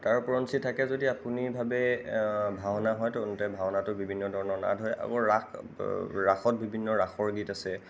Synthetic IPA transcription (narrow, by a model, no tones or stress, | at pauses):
taɹpuɹɔnsitʰakɛzodiapunibʱabɛ | bʱaɦnaɦɔjtɔntɛbʱawnatʊbibʱinːɔdʱɔɹɔnɔɹna̰dɦɔjʔa̰kɔɹa | ɹaxʰɔt̚bibʱinːɔɹaxʰɔɹɡitasɛ